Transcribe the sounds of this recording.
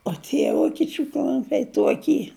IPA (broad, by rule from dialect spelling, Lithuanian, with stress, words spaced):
oː tʲiɛ ˈʋoːkʲiɛt͡ʃʲʊ ˈklˠʊmʲpʲɛɪ ˈtuɔkʲiː